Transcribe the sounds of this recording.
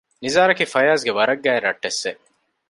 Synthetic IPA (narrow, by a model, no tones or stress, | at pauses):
nizaːɾɐkifɐjaːsɡeʋɐɾɐɡːæːeɾːɐʈːesːe